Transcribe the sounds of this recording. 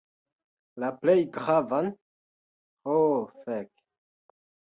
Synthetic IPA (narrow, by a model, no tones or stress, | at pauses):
laplɛjɡʁavan | ofɛk